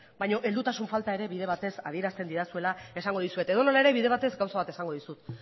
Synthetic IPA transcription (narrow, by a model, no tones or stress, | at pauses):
bajɲo̞ʔe̞ld̪ut̪asuɱfalt̪ae̞ɾe̞βiðe̞β̞at̪e̞sa̰ð̞ie̞ɾast̪e̞nd̪iɾasue̞lae̞saŋɡo̞ðisue̞t̪e̞ðo̞no̞lae̞ɾe̞βiðe̞β̞at̪e̞zɡawsaβat̪e̞saŋɡo̞ðisut̪